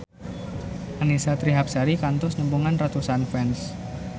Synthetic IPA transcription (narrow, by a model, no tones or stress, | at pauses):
ʔanisat̪ɾiɦap̚saɾikant̪ʊsnəmbuŋanrat̪usanfɛns